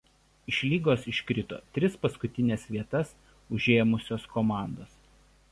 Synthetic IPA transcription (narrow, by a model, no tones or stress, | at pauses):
ɪʃʲlʲiːɡoːsɪʃʲkɾʲɪt̪o̰ːt̪ʲɾʲɪspɐskʊt̪ʲɪnʲɛsʋʲiɛt̪ɐs | ʊʒʲeːmʊsʲoːskoːmɑˑnd̪oːs